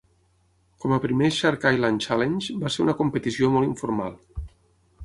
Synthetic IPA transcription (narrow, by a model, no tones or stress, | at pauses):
kɔməpɾimeʃaɾkajlant͡ʃalenʲd͡ʒbaseɾṵnəkumpət̪isiomɔlˠiɱfuɾma̰lˠ